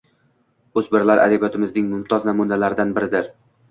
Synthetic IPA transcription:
ɵzbɪɾlaɾʔa̰d̪abijɒt̪ʰɪmɪznɪŋmʊmt̪ʰɒznamʊnalaɾɪd̪anbɪɾɪd̪ɪɾ

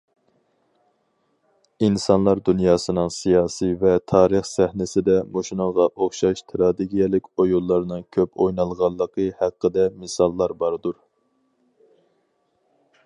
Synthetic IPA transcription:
insɑnlˠɑɾd̪unjɑːsɨnɨŋsijɑːsivɛt̪ʰɑːɾəχsæhnɪsɪd̪ɛmoʃinəŋʁɑʔoχʃɑʃt̪ʰɾɑd̪eɡʲijɛlɪkʲojulˠːɑɾnɨŋkʲʰøpʰojnɑlˠʁɑlˠːəqʰəhæqːəd̪ɛmɪsɑlˠːɑɾbɑɾd̪uɾ

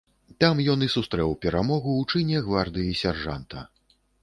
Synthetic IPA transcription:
t̪amjɔnisust̪ɾɛwpʲɛɾamɔɣuːt͡ʂɨnʲɛɣvard̪ɨjisʲarʐa̰nt̪ɐ

